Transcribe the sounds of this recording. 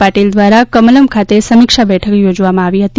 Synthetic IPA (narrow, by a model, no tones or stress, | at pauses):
paʈild̪ʋaɾakəmələmkʰat̪esəmɪkʃabɛʈʰəkjod͡ʒʋamãaʋiɦət̪i